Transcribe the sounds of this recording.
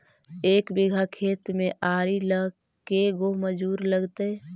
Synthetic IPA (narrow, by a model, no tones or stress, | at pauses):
eːkbɪɡʱakʰeːt̪mẽʔaːɾilə | keɡoɦməd͡ʒuːɾləɡt̪e